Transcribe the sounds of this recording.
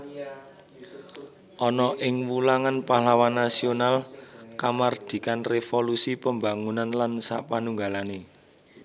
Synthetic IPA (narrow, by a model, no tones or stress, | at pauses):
ʔɔnɔʔɪŋwulaŋanpahlawanːasionalkamard̪̥i̤kanrefolusipəmba̤ŋunanlansapanuŋɡalane